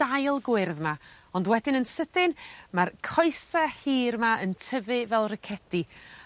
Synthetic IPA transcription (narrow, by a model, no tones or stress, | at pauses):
ajlˠɡwɪrðma | ɔndwɛdɪnənsəd̥ɪnmarkʰɔjsahiːrmaəntʰəvɨvɛlˠrəkʰɛd̥i